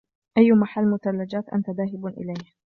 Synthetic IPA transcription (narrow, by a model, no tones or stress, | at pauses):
ʔajːʊmaħalːmʊt̪alːad͡ʒaːt̪ʔa̰nt̪aðaːɦɪbʔɪ̰lajh